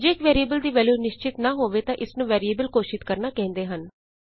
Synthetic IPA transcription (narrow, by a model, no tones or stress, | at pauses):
d͡ʒeːɪkʋɛːɾieːbəld̪iːʋɛːljuːnɪʃt͡ʃɪt̪naːɦoːʋeːt̪ãːʔɪsnũːʋɛːɾieːbəlkoːʃɪt̪kəɾnaːkɛ̃ːnd̪eːɦən